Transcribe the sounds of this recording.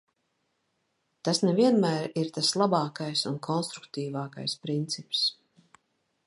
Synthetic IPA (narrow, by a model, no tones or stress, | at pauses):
t̪asnɛviɛnmæːɾiɾt̪aslˠabɑːkajsunkʰɔnst̪ɾukt̪iːvaːka̰jspɾint̪sips